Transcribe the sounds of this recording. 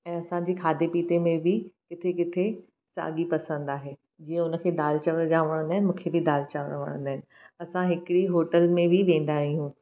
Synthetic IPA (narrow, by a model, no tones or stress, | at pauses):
ɛ̃ːɐsãɲd͡ʑiːkʰaːd̪epiːt̪emẽbʱɪkɪt̪ʰekɪt̪ʰe | sa̰ːɠipɐsə̃nd̪aːɦeː | d͡ʑiːə̃ʊnə̆kʰeːd̪aːlt͡ɕɐʋəɾd͡ʑaːʋəɽ̃ə̃nd̪aːɪnɪ̆mũːkʰebɪd̪aːlt͡ɕaʋəɽ̃ʋə̰ɽ̃ə̃nd̪aːɦɪnɪ̆ | ɐsãɦɪkɪɽiɦoːʈəlmẽbʱɪʋẽːn̆d̪aːɦiɦũː